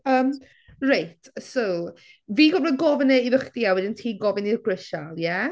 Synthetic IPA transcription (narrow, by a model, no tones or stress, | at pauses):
əːm | rajtʰsow | viːɡɔvləɡɔvənɛiðəχdiawɪdəntʰiːɡɔvɪnirɡ̥ɹəʃalˠjɛ